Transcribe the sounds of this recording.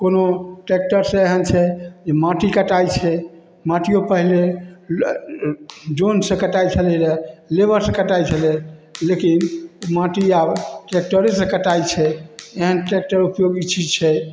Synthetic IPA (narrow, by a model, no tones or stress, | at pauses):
konoʈek̚ʈəɾsə̃eɦənt͡ʃʰɛd͡ʒemãʈikəʈajt͡ʃʰɛ | mãʈijopəɦle | d͡ʒonsə̃kəʈajt͡ʃʰəlɛdelebəɾsə̃kəʈajt͡ʃʰəlɛlekinmãʈiabʈek̚ʈəɾesə̃kəʈajt͡ʃʰɛeɦənʈek̚ʈəɾupjoɡit͡ʃʰit͡ʃʰɛ